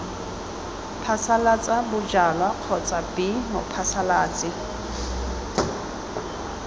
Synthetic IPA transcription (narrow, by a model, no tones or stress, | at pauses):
pʰasalat͡sʼabʊd͡ʒalwaq͡χʰɔt͡sʼabɪmʊpʰasalaːt͡sʼɪ